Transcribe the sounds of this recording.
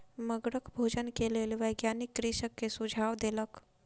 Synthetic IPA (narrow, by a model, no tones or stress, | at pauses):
məɡɽəkbʱod͡ʒənkelelʋəjɡjanikːɾiʃəkːesud͡ʒʱaʋd̪elək